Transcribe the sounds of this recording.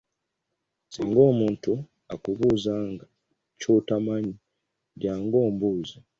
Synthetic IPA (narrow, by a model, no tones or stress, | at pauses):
siːŋɡo̞ːmuːntu | akuβuːzaŋɡa | t͡ʃutamaɲi | djaːŋɡo̞ːmbuːza